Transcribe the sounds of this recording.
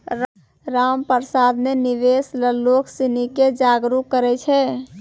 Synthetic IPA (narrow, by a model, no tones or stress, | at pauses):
ɾ | ɾampəɾsad̪meniʋesləloksiniked͡ʒaɡɾukːəɾɛt͡ʃʰɛ